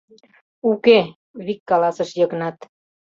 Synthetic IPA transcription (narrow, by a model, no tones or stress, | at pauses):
uke | βikːɑlɑsəʃjɤknɑt̪